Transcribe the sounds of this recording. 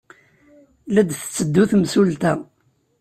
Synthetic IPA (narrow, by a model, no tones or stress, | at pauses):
læd̪θt͡sːəd̪ːuθmsult̪æ